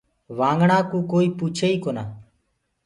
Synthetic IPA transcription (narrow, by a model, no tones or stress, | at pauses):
ʋãːŋɡɳãːkũːkoːiːpuːt͡ʃʰeːiːkoːna̰ː